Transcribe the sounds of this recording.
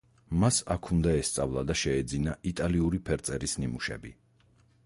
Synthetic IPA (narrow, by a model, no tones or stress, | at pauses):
masakʰund̪aɛst̪sʼavlˠad̪aʃɛːd̪zinaʔit̪ʼaliuɾipʰɛɾt̪sʼɛɾisnimuʃɛ̰bi